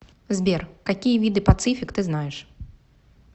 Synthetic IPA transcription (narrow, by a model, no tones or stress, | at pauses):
zʲbʲɛrkakʲijɐvʲid̪ɨpat̪sɨfʲikt̪ɨznajɛʂ